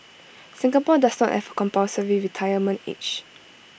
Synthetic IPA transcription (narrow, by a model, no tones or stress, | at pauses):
sɪ̃ŋɡapɔdasnɔ̰thɛ̰vəkɔ̃mpasəɹiɹitʰajəmə̃ntḛt͡ʃ